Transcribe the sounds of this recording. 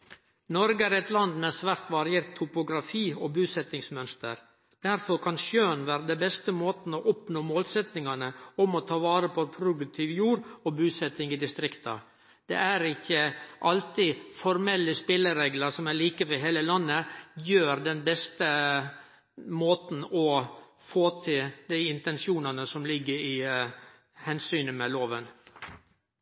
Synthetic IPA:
nɔɾɡəæɾɛt̪lɑnd̪mɛsʋæɾt̪ʋɑɾɪeːɾt̪ʰːʊpʊɡɾɑfiːɔbʉːsɛt̪ːɪŋsmœnst̪ə̰ɾ | d̪̥æɾfɔɾkʰɑnʃøːnʋæːɾəd̪ɛbɛst̪əmoːt̪n̩ɔʔɔpnoːmoːlsɛt̪nɪŋɑnəɔmɔt̪ʰɑːʋɑːɾəpʰɔpʰɾʊd̪ʉk̚t̪ʰiːʋjuːɾɔbʉːsɛt̪ɪŋɪd̪ɪst̪ɾɪkt̪ɑ̰ | d̪̥ɛ̰ʔæɾɪçːəʔɑlt̪ifɔɾmɛlːəspɪlːəɾeːɡlɑɾsɔmæɭiːkəʋɛɦeːləlɑnːəjøːɾd̪ɛnbɛst̪ə | moːt̪n̩ɔ | foːt̪ʰɪld̪æɪɪnt̪ɛnsɪuːnɑnəsɔmlɪɡːəɾɪ | hɛnsyːnəmɛloːʋən

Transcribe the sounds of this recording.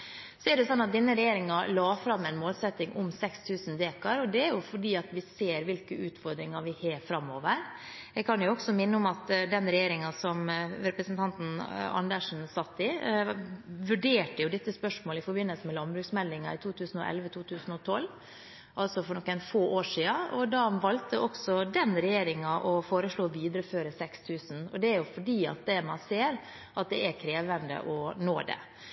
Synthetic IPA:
sɔɛɖɛʊsɔnːɑt̪̚d̪ɪnːəɾɛjeːɾɪŋɑlɑːfɾɑmɛɪnmoːlsɛt̪ːɪŋʔʊmsɛkst̪ʰʉːsnd̪eːkɑɾɔd̪ɛæɾjʊfɔɖiːɑt̪ʋɪseːɾʋɪlkəʉːt̪fɔɾd̪ɾɪŋɑʋɪheːfɾɑmːoːʋəɾ | ɛɡkʰɑnjʊɔksɔmɪnːəʊmɑt̪d̪ɛnɾɛjeːɾɪŋɑsɔmɾɛpɾəsnt̪ʰɑnt̪n̩ɑ̰nd̪əʂn̩sɑt̪ːɪ | ʋʉɖeːʈəjʊd̪ɪt̪ːəspœʂmoːlɪfɔɾbɪnːəlsəmɛlɑnbɾʉːksmɛld̪ɪŋɑɪt̪ʰuːt̪ʰʉːsnɔ̰ʔɛ̰lʋət̪ʰuːt̪ʰʉːsən̩ɔt̪ʰɔlː | ʔɑlsɔfɔɳɔkːɛnfoːʔoːʂiːɑɔd̪ɑːʋɑlt̪əʔɔksɔd̪ɛnɾɛjeːɾɪŋɑʔɔfoːɾəʂɭoːʋiːd̪ɾəføːɾəsɛkst̪ʰʉːsn̩ɔ̰d̪ɛæɾjʊfɔɖiːɑ̰t̪̚d̪ɛmɑ̰nseːɾ | ʔɑt̪̚d̪ɛʔæɾkʰɾeːʋənd̪ə̰ʔɔno̰ːd̪ɛ̰

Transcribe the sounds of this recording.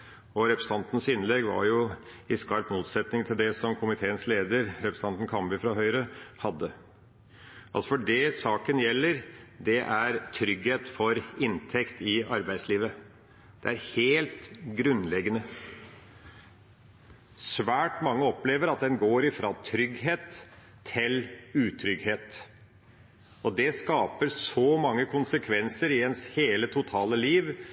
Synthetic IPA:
ɔɾɛpɾst̪ɑnt̪n̩sɪnlɛɡʋɑ̰ɾjʊ | ɪskɑɾpmuːt̪sɛt̪nɪŋt̪ʰɪld̪ɛsɔmkʰʊmɪt̪ʰeːənsleːd̪əɾɾɛpɾəst̪ɑnt̪n̩kʰɑmbɪfɾɑɦœʏɾəhɑd̪ːə | ʔɑlsɔfɔɖɛsɑːkənjɛlːəɾd̪ɛʔæɾt̪ʰɾʏɡheːt̪fɔɾɪnt̪ʰɛkt̪ʰɪɑɾbæɪd̪sliːʋə | d̪̥ɛ̰æɾheːlt̪ɡɾʉnːlɛɡənə | sʋæːʈmɑŋːəɔpleːʋəɾɑt̪̚d̪ɛnɡoːɾɪfɾɑːt̪ʰɾʏɡɦeːt̪ʰː | ɪlʉːt̪ʰɾʏɡheːt̪ | ɔd̪ɛskɑːpəɾsɔmɑŋːəkʰʊnsəkʰʋɛnsəɾɪɛnsheːlət̪ʰʊt̪ʰɑːləliːʋ

